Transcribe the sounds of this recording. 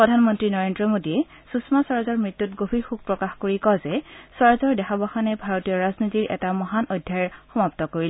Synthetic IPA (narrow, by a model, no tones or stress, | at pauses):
pɹɔdʱanmɔntɹinɔɹendɹɔmodiɛ | susmasɔɹzɔɹmɹitːutɡobʱiɹxuɡ̚pɹɔkaxkoɹikɔzɛsɔɹzɔɹdɛxabaxanɛbʱaɹotijɔɹaznitiɹʔɛ̰tamɔɦanʔojdʱjaɹxɔmap̚tɔkoɹil